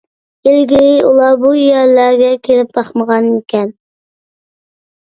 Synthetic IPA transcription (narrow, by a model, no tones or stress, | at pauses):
elɡʲinɪulˠɑbujæɾlæɾɡʲɛkʲʰelɪp̚bɑχməʁɑnikʲʰɛn